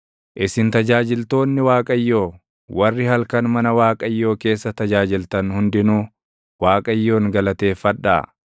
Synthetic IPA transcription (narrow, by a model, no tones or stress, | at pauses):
ʔɪsɪnt̪ɐd͡ʒaːd͡ʒɪlt̪o̞ːnːɪwaːkʼɐjːo̞ː | wɐrːɪhɐlkɐnmɐnɐwaːkʼɐjːo̞ːke̞ːsːɐt̪ɐd͡ʒaːd͡ʒɪlt̪ɐnhʊnd̪ɪnuː | waːkʼɐjːo̞ːŋɡɐlɐt̪e̞ːfɐᶑːa̰ː